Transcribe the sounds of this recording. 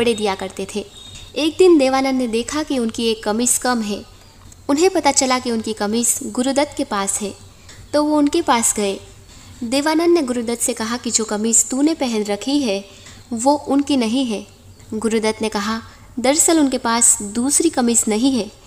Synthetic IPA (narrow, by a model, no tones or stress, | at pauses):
bɐɽed̪ijakɐɾt̪et̪ʰeːeːk̚d̪ɪnd̪eːʋaːnənːed̪eːkʰakiʊnkieːkːɐmiskɐmɦɛː | ʊnɦẽpɐt̪at͡ʃɐlakiʊnkikɐmisɡʊɾʊd̪ət̪kepaːsɦɛ̃ː | t̪oːʋoʊnkepaːsɡɐeː | d̪eːʋaːnənːeɡʊɾʊd̪ət̪sekɐɦakid͡ʒoːkɐmist̪unepɛɦɛ̃nɾɐkʰiɦɛ | ʋoʔʊnkinɐɦĩɦɛː | ɡʊɾʊd̪ət̪nekɐɦa | d̪ɐɾsəlʊnkepaːsd̪uːsɾikɐmisnɐɦĩɦɛː